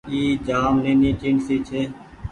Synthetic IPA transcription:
iːd͡ʒaːmnẽːnĩːt͡ʃiːɳsiːt͡ʃʰeː

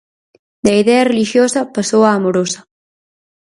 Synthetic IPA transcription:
d̪ɐiðɛɐreliʃjosɐpasoaːmoɾosɐ

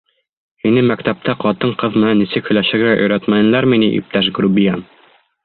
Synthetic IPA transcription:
hinɘmækt̪æp̚t̪æqɒt̪ɤɴqɤðmɘ̆nænːisɘkhɵ̆jlæʃɘ̆ɾɡæʔɵ̰̆jɾæt̪mænɘ̆læɾminiʔḭp̚t̪æʃ̬ɡɾubijan

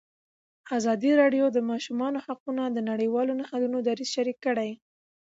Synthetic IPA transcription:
azɑd̪iɾɑɖjod̪əmɑʃumɑnohaqunad̪ənaɽəjwɑlonahalunod̪aɾiz̥ʃaɾikːəɽaj

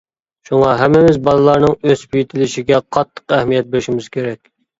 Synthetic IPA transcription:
ʃuŋɑɦæmːɪmɪzbɑlˠɨlˠɑɾnɨŋøz̥pʰyjit̪ʰɪlɪʃiɡʲɛqʰɑt̪ʰːə̥qæhmijɛt̪̚bɪɾɪʃimɪz̥kʲʰeɾɛkʲ

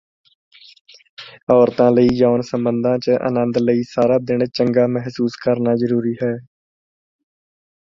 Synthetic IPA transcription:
ɔːɾt̪ãːləiːd͡ʒaːnsəmbə̃nd̪ʱãːt͡ʃəʔə̰nə̃nd̪ləiːsaːɾaːd̪ɪɳ̃t͡ʃəŋɡaːmɛɦsuːskəɾnaːzəɾuːɾiːɦɛː

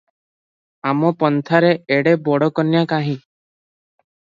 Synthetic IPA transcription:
amɔpɔnt̪ʰaɾeeɽebɔɽɔkɔnjakaɦĩ

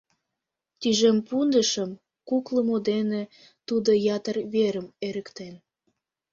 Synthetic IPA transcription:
t̪yʒempund̪əʃəm | kukləmod̪ene | t̪ud̪ojɑt̪ərβeɾəmeɾəkt̪en

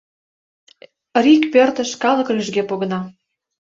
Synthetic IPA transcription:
rikpørt̪ə̆ʃkɑlɤ̆klyʒɡepoɣɤ̆nɑ

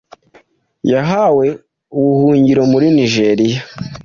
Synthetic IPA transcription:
jaɦawe̞ | uβuhuːɲɟiɾo̞muɾiniʒeɾija

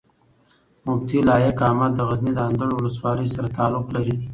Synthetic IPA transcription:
mʊb̚t̪ilɑjakɑːmat̪̚d̪əɣaznid̪əand̪əɽwʊləswɑləjsaɾat̪ɑːlʊqlaɾi

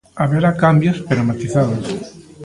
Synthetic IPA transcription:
aβeɾakambjospeɾomat̪iθaðos

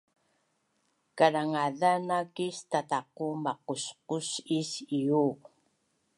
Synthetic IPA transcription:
kaɾaŋaðanakist̪at̪aqumɑqusqusisiu

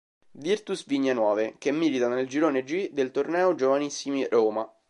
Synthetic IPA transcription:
virt̪usviɲːenwɔːvekemːiːlit̪aneld͡ʒiɾoːned͡ʒid̪elt̪ornɛːod͡ʒovanisːimiɾoːma

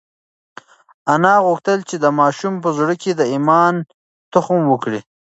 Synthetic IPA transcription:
anɑɣʊxt̪əlt͡ʃed̪əmɑːʃumpəzuɽəked̪əimɑːn | t̪ʊxmwəkɽi

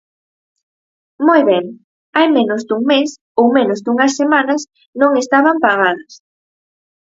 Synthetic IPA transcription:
mojβɛŋ | ajmenozd̪uŋmes | owmenʊzd̪uŋɐsːemanɐs | nõŋest̪aβampaɣ̞aðɐs

